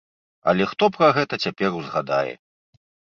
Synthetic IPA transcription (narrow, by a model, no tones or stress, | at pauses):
ɐ̰lʲɛxt̪ɔpɾɐɣɛt̪ɐt͡sʲapʲɛɾuzɣad̪a̰jɛ̰